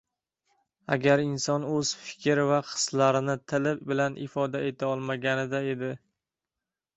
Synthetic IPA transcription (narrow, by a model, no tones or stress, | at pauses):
a̰ɡʲaɾɪnsɒnɵz̥fɪ̥kʲɾvaqʰɨ̥slaɾɪnɪt̪ʰɪlɪpbɪlanʔɪ̰fɒd̪ae̞t̪ʰaɒlˠmaɡʲanɪd̪ae̞d̪ɪ